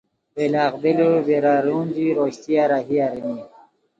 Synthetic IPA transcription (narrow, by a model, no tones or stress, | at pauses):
belaːqbilobeɾaɾuːnd͡ʑiɾoːɕt̪iaɾaɦiaɾini